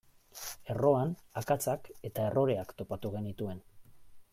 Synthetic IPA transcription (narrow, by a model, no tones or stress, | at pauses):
e̞ro̞anakat͡sake̞t̪ae̞ro̞ɾe̞akt̪o̞pat̪uɣe̞nit̪ue̞n